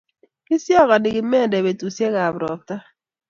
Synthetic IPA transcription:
kɪ˦sjɔ˦˨ka˨dɪ˨ɡɪ˨mɛ˦˨ndɛ˨be˨tu˨sje˦ɣa˨bɾɔ˨p̚ta˦

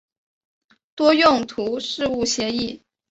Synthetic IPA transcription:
t̪wɔ˥jʊ˥˩ŋt̪ʰu˧˥ʂɻ̩˥˧u˥˩ɕjɛ˧˥i˥˩

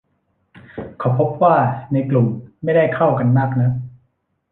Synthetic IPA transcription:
kʰa˨˩˦wpʰo˦˥p̚waː˥˩na˧jklu˨˩mma˥˩jda˥˩jkʰa˥˩wka˧nmaː˥˩k̚na˦˥

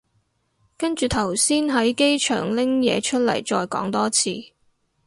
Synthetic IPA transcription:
kɐ˥nt͡ʃyː˨˩t̪ʰɐ˨˩wsiː˥nɦɐ˨˥jke˥jt͡ʃʰœ̰ː˨˩ŋlɪ˥ŋjɛ̰ː˨˧t͡ʃʰɵ˥t̚lɐ̰˨˩jt͡ʃɔː˧jkɔ̰ː˨˥ŋt̪ɔː˥t͡sʰiː˨˧

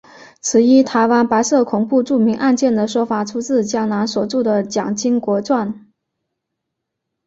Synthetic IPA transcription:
t͡sʰɹ̩˧˥i˥t̪ʰa˧˥ɪwa˥npa˧˥ɪsɤ˥˩kʰʊ˨˩ŋpu˥˧ʈ͡ʂu˥˩mi˧˥ŋʔa˥˧nt͡ɕjɛ˥˩nd̪ə˩ʂwɔ˥fa˨˩ʈ͡ʂʰu˥t͡sɹ̩˥˩t͡ɕjɑ˥ŋna˧˥nswɔ˨˩ʈ͡ʂu˥˩d̪ə˩t͡ɕjɑ˨˩ŋt͡ɕi˥ŋkwɔ˧˥t͡swa˥˩n

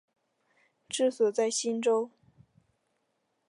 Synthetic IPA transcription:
ʈ͡ʂɻ̩˥˩swɔ˨˩t͡sa˥˩ɪɕi˥nʈ͡ʂo˥ʊ

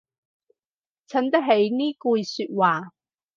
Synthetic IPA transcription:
t͡sʰɐ˨˥nt̪ɐ˥ɦe˨˥jniː˥kuː˧jsyː˧t̚waː˨˩

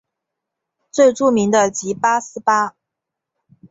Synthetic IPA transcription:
t͡swe˥˧ɪʈ͡ʂu˥˩mi˧˥ŋd̪ə˧t͡ɕi˧˥pa˥sɹ̩˥pa˥

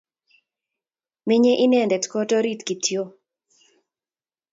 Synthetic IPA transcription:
mi˦ɲe˦ʔi˦nɛ˦˨ndɛ˨tkɔ˦tɔ˦ɾi˦˨tki˨tʰjo˦

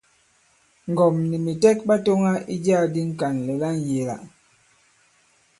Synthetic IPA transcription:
ŋ˨ɡɔ˨mni˨mi˨tɛ˦k̚ba˦to˦ŋa˦i˦d͡ʒaː˦˨di˦ŋ̩˦ka˨nlɛ˨la˦n˨je˨la̰˨

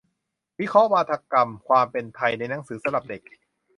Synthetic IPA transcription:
wi˦˥kʰɔ˦˥ʔwaː˧t̪ʰa˧ka˧mkʰwaː˧mpe˧nt̪ʰa˧jna˧jna˩˦ŋsɯː˩˦sa˧la˨˩p̚de˨˩k̚

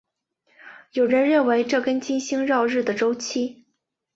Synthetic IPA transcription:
jo˨˩ʊɻə˧˥nɻə˥˩nwe˧˥ɪʈ͡ʂɤ˥˩kə˥nt͡ɕi˥nɕi˥ŋɻɑ˥˧ʊɻɻ̩˥˩d̪ə˩ʈ͡ʂo˥ʊt͡ɕʰi˥

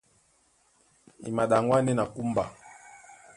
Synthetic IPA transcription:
ḭ˨ma˨ɗa˨ŋwa˦nɛ˦na˨ku˦mba˨

